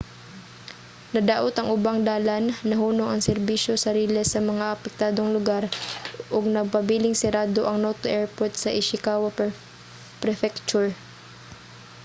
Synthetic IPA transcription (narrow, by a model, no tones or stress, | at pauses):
nɐd̪aːʔot̪ɐŋʔʊbaŋd̪aːlanːɐɦuːnoŋɐŋsɛɾbiʃjosɐɾiːlɛsɐmɐŋaʔɐpɛk̚t̪aːd̪oŋlʊɡaɾʔoɡ̚nɐɡ̚pɐbiːlɪŋsɛɾaːd̪oʔɐŋnot̪oʔɛɹpoɹt̪̚sɐʔɪʃɪkaːwɐ | pɾɛfɛk̚t͡ʃʊɹ